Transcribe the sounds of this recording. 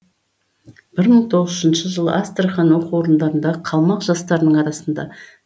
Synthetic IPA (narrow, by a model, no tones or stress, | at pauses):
b̥ɪɾməɴt̪ʰo̞ʁəzəzənʃəʒəlˠəʔast̪rχɑnwo̞quwo̞ɾənd̪ɑɾənd̪ɑqʰɑlˠmɑqʒ̥ɑst̪ɑɾənəɴɑɾɑsənd̪ɑ̰